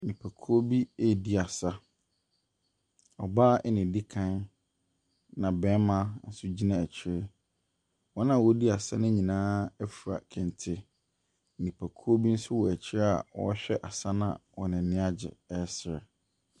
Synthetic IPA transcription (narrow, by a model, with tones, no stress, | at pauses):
nĩ˨pʰæ˨kʰu˦o˦bi˦e˦˨di˦a˨sa˦ | ɔ˨baː˦ɛ˦nɪ̃˨di˦kʰã˦n | nã˨bɛ̃˦mã˦n̩˦sʊ˦d͡ʑi˦nã˦˨æ˨t͡ɕʰɪ˦ɾɪ˦ | wɔ˦nã˦˨wɔ˦di˦a˨sa˦nʊ̃˦ɲĩ˨nãː˦ɛ˦fu˨a̰˨kʰɛ̃˨n˨tʰɪ˦˨ | nĩ˨pʰæ˨kʰu˦o˦bi˦n̩˦sʊ˦wɔ˨æ˨t͡ɕʰɪ˦ɾa̰˨wɔ̰˨˦ɕᶣɛ˦ʔa˨sa˦nã̰˦˨wɔ˨nɪ̃˨nɪ̃˦a˦d͡ʑɪ̰˨ɛ˦sɪ˨ɾɛ˨